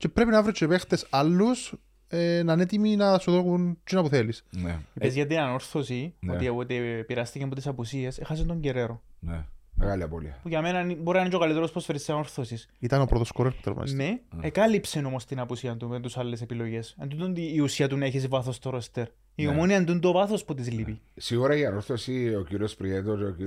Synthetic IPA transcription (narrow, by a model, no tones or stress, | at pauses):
t͡ʃepɾepinɐvɾit͡ʃʰːepext̪esɐlːus | enɐnet̪iminɐsuðokunt͡ʃinɐpuθelisn̰ipezʝɐt̪inɐno̞ɾθosioiɐpot̪ipiɾɐst̪icemɐpot̪isɐpusiesexɐs̬int̪o̞ɲɟeɾeɾonemḛɣaliɐ̰po̰lḭɐpuʝɐmenɐiboɾinɐnit͡ʃokalit̪eɾospɾosfeɾisːsiɐno̞ɾθosis | it̪ɐnopɾot̪oskoɾeɾspu̥t̪ḛvmɐ̰neekɐlipsenomost̪inɐpusiɐt̪umet̪usɐlːes̬e̞pilo̞ʝe̞send̪unond̪iːusiɐt̪uneçisvɐθost̪oɾost̪eɾ | iomoniɐnd̪und̪ovɐθosput̪izlipisiɣuɾɐiɐnoɾθosiociɾiospɾiet̪ooi